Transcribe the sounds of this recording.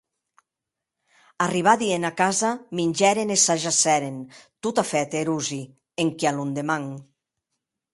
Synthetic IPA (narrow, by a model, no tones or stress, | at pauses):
ariβ̞aðienakazaminʲd͡ʒɛɾenesaʒasɛɾent̪ut̪afɛt̪eɾuzi | eŋkialund̪emaŋ